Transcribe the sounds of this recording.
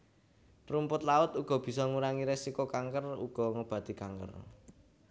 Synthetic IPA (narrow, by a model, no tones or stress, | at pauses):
rumpʊt̪laʊt̪uɡ̥ɔ̤b̥i̤sɔŋuɾaŋiɾesikokaŋkərṵɡ̥ɔ̤ŋob̥ä̤d̪̥i̤kaŋkə̰r